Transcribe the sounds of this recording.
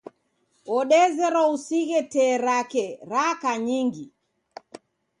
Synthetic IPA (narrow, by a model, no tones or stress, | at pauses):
ɔɗɛzɛɾɔusiɣɛtɛːɾakɛɾakaɲiŋɡi